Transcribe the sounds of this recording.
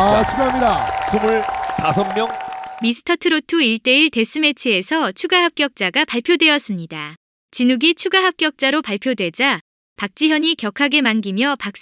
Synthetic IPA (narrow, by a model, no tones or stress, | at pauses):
at͡ɕʰuɡaamɲidasʰumɯɭtasʰʌŋmjʌŋmisʰɯ̥tʰʌtʰɯɾotʰuiɭt͈e̞iɭte̞sʰɯme̞t͡ɕʰie̞sʰʌt͡ɕʰuɡaɦap̚k͈jʌk̚t͡ɕ͈aɡapaɭpʰjodwe̞ʌs͈ɯmɲida | t͡ɕinuɡit͡ɕʰuɡaɦap̚k͈jʌk̚t͡ɕ͈aɾopaɭpʰjodwe̞d͡ʑa | pak̚t͡ɕ͈iɦjʌɲikjʌkʰaɡe̞manɡimjʌpak̚s͈